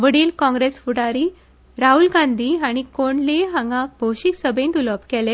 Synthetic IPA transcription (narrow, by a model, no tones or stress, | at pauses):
ʋəɽiːlkɔ̃ŋɡɾesfuɽaɾiː | ɾaɦulɡãnd̪ʱiːaɽ̃ikoɳleɦãŋɡãk̚bʱowɕiksəbẽnt̪uləpkɛle